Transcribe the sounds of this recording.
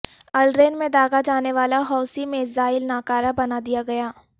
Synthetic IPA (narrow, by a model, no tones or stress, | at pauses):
ɐlɾeːnmẽd̪aːɡad͡ʒaːneʋaːlaɦɔːsimẽzaːɪlnaːkaːɾabɐnad̪ijaɡɐjaː